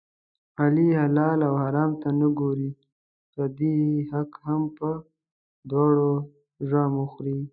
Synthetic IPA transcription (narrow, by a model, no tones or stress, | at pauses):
alihalɑlawhaɾɑːmt̪anəɡoɾi | kad̪ihakhampə | d̪wɑɽo | ʒwamuxɾi